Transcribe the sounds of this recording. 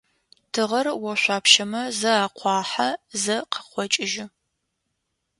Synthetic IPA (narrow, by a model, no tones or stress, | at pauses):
tʰɨʁɐrwɔɕʷɑːpʃɐmɐzɐaːqʷʰɑːħazɐqʰə̥χʷɔt͡ʃʼɪʒɪ